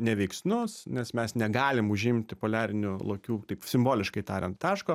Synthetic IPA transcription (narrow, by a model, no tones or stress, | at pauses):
nʲɛʋʲɛɪksʲnʊsnʲɛsmʲɛsnʲɛɡɑːlʲɪmʊʒʲɪmʲt̪ʲɪpoːlʲæːɾʲɪnʲʊlˠoːkʲuːt̪ɐɪpsʲɪmboːlʲɪʃkɐɪt̪ɑːɾʲɛnt̪tɑːʃkoː